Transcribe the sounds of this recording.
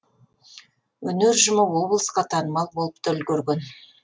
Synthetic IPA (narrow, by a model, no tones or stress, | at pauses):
wɵneɾʒʊməwo̞blˠəsqɑt̪ʰɑnəmɑlˠbo̞lˠəp̚t̪ʰɵlkʲɵɾɡʲen